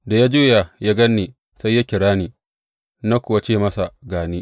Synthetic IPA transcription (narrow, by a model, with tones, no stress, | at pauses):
da˨ja˦d͡ʒuː˦ja˨ja˦ɡɐ˦nːeː˨ | sa˦jːa˦kʲɪ˨ɽaː˦niː˨ | na˦kʷʊ˨wa˦t͡ʃeː˦˨mɐ˦sa˨ɡaː˨ni˦